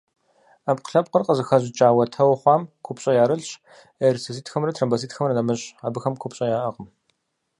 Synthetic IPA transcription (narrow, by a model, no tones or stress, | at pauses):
aːpqə̥ɬɐp̚ʼqərqəzɨxɐʑɪt͡ʃʼaːwɐtʰɐwχʷɑːmkʷʰʊpɕʼɐjaːɾɨɬɕ | ɐɾsɨsiːtʰxɐmrɐtʰrɐmbɐs̬iːtʰxɐmrɐnɐmɨɕaːbɨxɐmkʷʰʊpɕʼɐjaːʔɐqəm